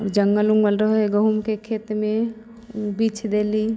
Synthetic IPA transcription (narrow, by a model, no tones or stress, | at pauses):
ɔːɾd͡ʒəŋɡəluŋɡʋəlɾəɦeɡəɦumkekʰeːt̪mẽ | biːt͡ʃʰd̪eːli